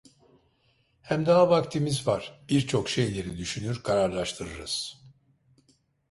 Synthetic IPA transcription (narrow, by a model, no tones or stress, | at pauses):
hæmd̪aɦavakt̪ʰimizvaɾ̥b̥iɾt͡ʃʰo̞kʃe̞jlʲe̞ɾid̪yʃynyɾkʰaɾaɾlˠaʃt̪ʰɯɾɯɾɯ̰z̥